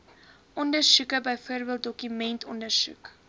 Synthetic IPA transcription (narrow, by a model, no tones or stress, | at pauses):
ʔɔndərsukəbəjfuərbiət̚dɔkymɛntʰɔndərsṵk